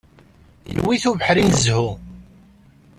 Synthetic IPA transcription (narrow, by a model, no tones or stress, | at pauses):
j̰wːiθuvəħɾinzhu